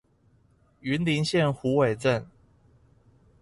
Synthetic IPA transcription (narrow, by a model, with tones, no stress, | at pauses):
y˧˨˥nli˧˦nɕjɛ˥˨nxu˨˥we˨ɪt͡sə˥˨n